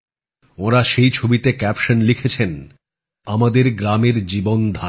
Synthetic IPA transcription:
oɾaʃejt͡ɕʰobit̪ekɛpʃanlikʰet͡ɕʰen | amad̪eɾɡɾameɾd͡ʑibond̪ʱa

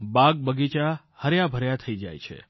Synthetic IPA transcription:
baɡ̚bəɡit͡ʃa | həɾjabʱəɾjat̪ʰəid͡ʒa̰jt͡ʃʰḛ

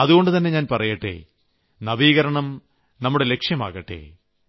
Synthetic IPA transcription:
ɐðuɣo̞ɳɖɨt̪ɐnːe̞ɲaːnpɐrɐjɐʈːḛː | nɐʋiːɣɐɾɐɳɐm | nɐmːuɽe̞le̞kʂjɐma̰ːɣɐʈːḛː

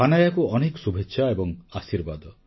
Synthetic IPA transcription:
anajakuɔnekɔ̥subʱetːʃʰaebɔŋasiɾbad̪ɔ

